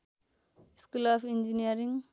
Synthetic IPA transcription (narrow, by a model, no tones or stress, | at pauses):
skulaːfʰind͡ʒiniɐɾiŋ